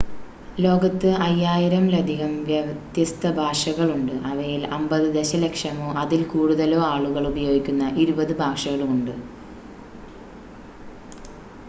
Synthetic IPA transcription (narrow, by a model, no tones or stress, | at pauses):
lo̞ːɡɐt̪ːɨɐjːaːjiɾɐmlɐd̪ʱiɣɐmʋjɐt̪jɐst̪ɐbʱaːʂɐɣɐɭuɳɖɨʔɐʋɐjilɐmbɐðɨd̪eɕɐlekʂɐmoːʔɐðilkuːɽuðɐlo̞ːaːɭuɣɐɭubɐjo̞ːɡikʲːunːɐʔiɾubɐðɨbʱaːʂɐɣɐɭuɳɖɨ